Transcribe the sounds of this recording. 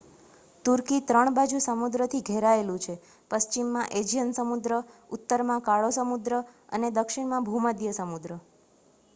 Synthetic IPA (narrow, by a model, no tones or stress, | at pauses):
t̪uɾkit̪ɾəɳbad͡ʒusəmud̪ɾət̪ʰiɡʱeɾaelũt͡ʃʰe | pəst͡ʃimːãʔed͡ʒijənsəmud̪ɾəut̪ːəɾmãkaɭosəmud̪ɾəə̰ned̪əkʃɪɳmãbʱuməd̪jəsəmud̪ɾə